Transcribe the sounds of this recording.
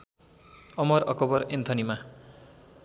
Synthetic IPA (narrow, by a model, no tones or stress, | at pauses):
ʌmʌɾʌkʌbʌɾent̪ʰʌnima